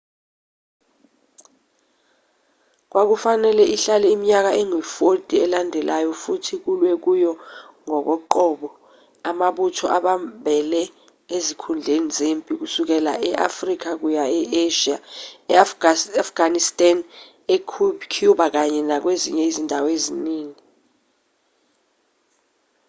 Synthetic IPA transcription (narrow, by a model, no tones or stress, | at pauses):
k̬wʔak̬ufanɛlɛʔiɬalɛimiɲak̬aʔɛŋwifotʼiɛlandʱɛlʔajɔfutʰik̬ulwɛk̬ujɔ | ŋɔk̬ɔǃɔːɓɔ | amaɓutʰɔʔaɓambʱɛlɛ | ezikʰund͡ɮʱenizempʼik̬usuk̬ɛla̰ʔɛʔa̰frik̬ʰak̬ujaɛeʃia | afɡ̥anistʼan | ɛkʰukʰuɓak̬aɲɛnak̬wezḭɲɛizindʱaweziniːŋi